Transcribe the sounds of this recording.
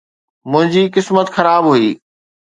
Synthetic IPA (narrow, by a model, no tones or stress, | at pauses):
mʊ̃ɦɪ̃ɲd͡ʑiːkɪsmət̪xɐɾaːbɦuiː